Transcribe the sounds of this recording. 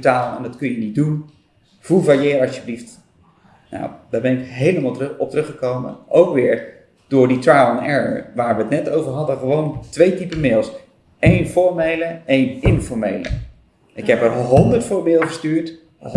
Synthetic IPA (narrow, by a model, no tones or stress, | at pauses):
taːlˠɛ̰ndɑtkɵnjənit̚dun | v̥ulvajɪːɾɑʃjəblift | na̰d̥aːɹbɛnɪkɦejləmalɔp̚trɵχəkowmə̰nowkʋɪːɹ | d̥ʊːɹditrajlɔnɛ̰ɹəʋaːɹʋəətnɛtowvəɹɦɑdəχəʋowntʋejtipəmɪːlˠs | ejnfɔɹmejləejnɪnfɔɹmejlə̰ | ɪkɦɛpəɹɦɔndəɹtfʊːɹbɪːlˠdəχəstyːɹt